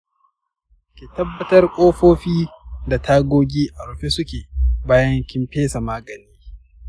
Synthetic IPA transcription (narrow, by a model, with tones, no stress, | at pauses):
kʲe˨tɐ˦bːɐ˦tɐ˦rkʷʼoː˦ɸoː˦ɸiː˦da˨tʰaː˦ɡʷoː˦ɡʲiː˦ʔa˨ɾʊ˨ɸe˦sʊ˦kʲeː˨baː˦jɐ˦ŋkʲɪ˦mpeː˦sa˨maː˦ɡɐ˨niː˦